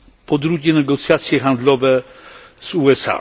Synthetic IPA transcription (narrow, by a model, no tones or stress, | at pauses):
pɔd̪ɾuɡʲɛnɛɡɔt̪sʲjat̪sʲjɛxand̪lɔvɛz̥uɛsa̰